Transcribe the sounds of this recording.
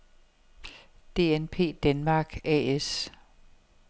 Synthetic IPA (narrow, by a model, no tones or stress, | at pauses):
d̥e̝̰ːenpʰe̝̰ːd̥ænmɑ̈ːɡ̥ɛ̰ːes